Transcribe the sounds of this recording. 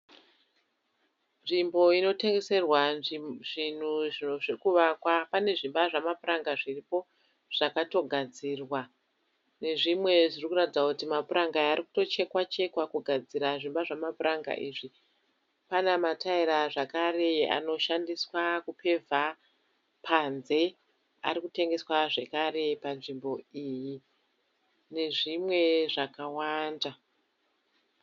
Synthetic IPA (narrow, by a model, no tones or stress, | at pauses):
nʐimbo̞ino̞te̞ŋɡe̞se̞rwaʐin̤uʐinoʐekuʋakwapane̞ʐimbaʐamapuraŋɡaʐiripo̞ | ʐ̥akato̞ɡʱad͡ziːrwa | ne̞ʐimwe̞ʐirikuratid͡zakutimapuɾʔaŋɡaariku̥to̞t͡ʃe̞kwat͡ʃe̞kwakuɡʱad͡ziɾaʐimbaʐamapuraŋɡa̰ʔiːʐi | panamataiɾaʐakaɾe̞a̰no̞ʃandiswakupʰe̞vʱa | pʰanze̞ | a̰ɾikute̞ŋɡe̞swaʐe̞kare̞panʐimbo̞iːji | ne̞ʐimwe̞ʐakawaːnda